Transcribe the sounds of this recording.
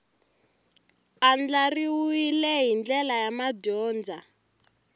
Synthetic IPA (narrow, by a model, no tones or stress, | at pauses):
and͡ɮariwuilɛɦind͡ɮɛlajamadɔːnd͡za